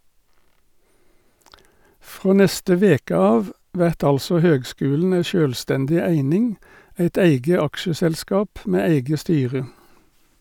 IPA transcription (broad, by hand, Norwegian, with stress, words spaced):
ˈfʁoː ˈnɛstə ˈʋeːkə ˈɑːʋ ˈʋæʁt ˈɑlsɔ ˈhøːɡˌskʉːln̩ ˈæɪ ˈʃøːlˌstɛndɪ ˈæɪnɪŋ ˈæɪt ˈæɪɡə ˈɑkʃəsɛlˌskɑːp ˈmeː ˈæɪɡə ˈstyːʁə